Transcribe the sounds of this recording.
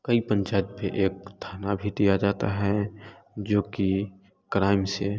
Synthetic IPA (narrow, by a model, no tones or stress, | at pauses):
kəipə̃nt͡ʃaːt̪peʔeːk̚t̪ʰaːnabʱid̪ijad͡ʒaːt̪aɦɛ | d͡ʒoːki | kɾaːɪmse